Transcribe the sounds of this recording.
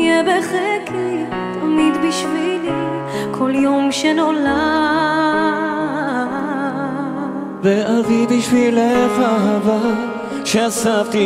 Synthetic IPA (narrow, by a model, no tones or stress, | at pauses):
jɛbeχɛkʰi | t̪ʰomid̪biʃvili | kʰoljomʃɛnola | veavibiʃvilefaɦava | ʃeasavt̪i